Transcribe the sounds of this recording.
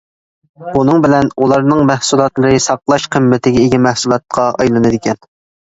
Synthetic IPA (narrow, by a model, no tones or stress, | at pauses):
bunɨŋbɪlɛnulˠɑɾnɨŋmæhsulˠɑt̪lˠɨɾɨsɑqlˠɑʃqʰəmːɪt̪ʰɪɡʲɛiɡʲɛmæhsulˠɑt̪̚qʰɑɑ̰jlˠɨnɨd̪ɪkʲɛn